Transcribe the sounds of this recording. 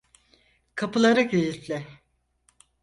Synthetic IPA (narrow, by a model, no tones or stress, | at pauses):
kʰapɯlˠaɾɯkejit̪lʲɪ